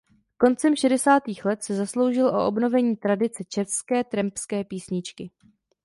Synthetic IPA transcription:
ko̞nt͡sɛmʃɛdɛsaːt̪iːxlɛt̪sɛzaslowʒɪlʔo̞̰ʔobno̞vɛɲiːt̪ɾadɪt͡sɛt͡ʃɛfskɛːt̪ɾɛmpskɛːpiːsɲɪt͡ʃkɪ

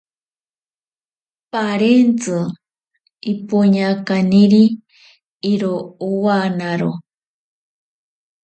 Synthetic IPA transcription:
paɾent͡sɨ | ipuɲakaniɾiː | ɾouwanaɾo

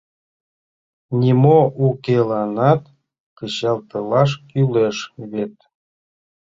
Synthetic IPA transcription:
nʲimoʔukelɑnɑt̪ | kəɕɑlt̪ɤlɑʃ̬kyleʃβet̪

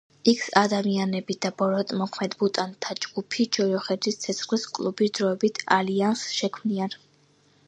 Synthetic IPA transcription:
ikʰsad̪amianɛbid̪abɔɾɔt̪ʼmɔkʰmɛd̪but̪ʼant̪ʰad͡ʒɡ̥upʰid͡ʒɔjɔχɛd̪ist̪sʰɛt̪sʰχliskʼlˠubisd̪ɾɔɛbit̪ʰa̰liansʃɛkʰmnian

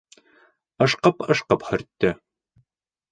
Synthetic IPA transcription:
ɤ̆ʃqɤpɤ̆ʃqɤphɵ̆ɾt̪ːɘ

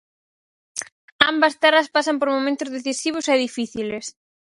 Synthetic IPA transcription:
ambɐst̪ɛrɐspasɐmpoɾmomẽnt̪ʊzðeθisiβ̞ʊsɛðifiθiles

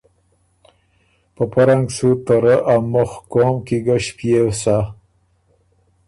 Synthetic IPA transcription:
pəpaɾaŋɡsut̪əɾəʔamʊxkoːmkiɡaɕpjewsa

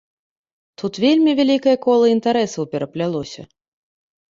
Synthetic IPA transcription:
t̪ut̪vʲelʲmʲivʲalʲikɐjɐkɔlˠɐint̪aɾɛsɐwpʲɛɾɐplʲalˠɔsʲɐ̰

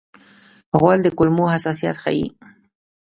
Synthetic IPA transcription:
ɣwald̪əkʊlmohasɑsija̰t̪xa̰jḭ

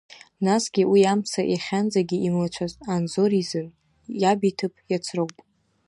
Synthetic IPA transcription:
nasɡʲiwiamsaʔaχʲand͡zaɡʲiʔimlat͡ʃʷʰazanzo̞ɾizɨn | jabitʰɨpʰʼjat͡sʷʰrɨwpʼ

